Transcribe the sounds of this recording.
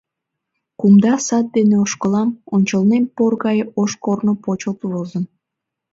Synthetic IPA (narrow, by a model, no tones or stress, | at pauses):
kumd̪ɑsɑt̪̚d̪eneoʃkəlɑmonʲt͡ɕəlnenporɣɑjəoʃkornopot͡ɕəlt̪ulozən